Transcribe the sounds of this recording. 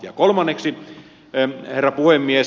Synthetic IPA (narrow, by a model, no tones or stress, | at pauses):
jɑkolmɑnːeksi | herːæpuhemːie